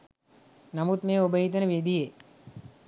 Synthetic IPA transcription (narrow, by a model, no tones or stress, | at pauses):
nɐmut̪mẽːobəɦit̪̬əneʋed̪ije